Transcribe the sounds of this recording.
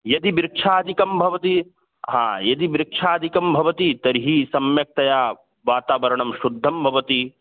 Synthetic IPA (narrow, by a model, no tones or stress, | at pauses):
jɐd̪ibɾɪkʂʰaːd̪ikɐmbʱɐʋɐt̪i | ɦã̰ːjɐd̪ibɾɪkʂʰaːd̪ʱikɐmbʱɐʋɐt̪it̪ɐɾɦisɐmjɐk̚t̪ɐjaː | ʋaːt̪aːʋɐɾɐɳɐmʃud̪ʱːɐmbʱɐʋɐt̪i